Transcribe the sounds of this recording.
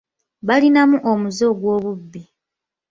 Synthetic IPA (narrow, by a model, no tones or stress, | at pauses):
βalinamuʔomuzo̞ɡwo̞ːβubːi